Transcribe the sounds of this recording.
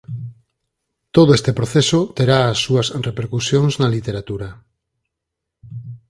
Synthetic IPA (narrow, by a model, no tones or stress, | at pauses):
t̪oðoest̪epɾoθesot̪eɾaːsːuɐsrepeɾkusjoŋznalit̪eɾat̪uɾɐ